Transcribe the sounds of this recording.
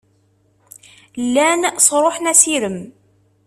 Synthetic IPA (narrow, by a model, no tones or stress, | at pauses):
lːænsˤɾˤoħnæsiɾəm